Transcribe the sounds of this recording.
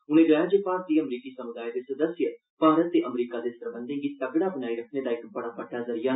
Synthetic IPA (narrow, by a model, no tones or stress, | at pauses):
ʊñẽɡaːjaːd͡ʒeːpaːɾ̚iːəmɾiːkiːsəmʊd̪aːid̪eːsəd̪əsjə | bʱaːɾət̪ːeːʔəmɾiːkaːd̪eːsəɾbə̃nd̪ẽːɡiːt̪əɡɽaːpnaːiːɾəkʰnẽːd̪aːɪkbəɽaːpəʈːaːzəɾɪjaː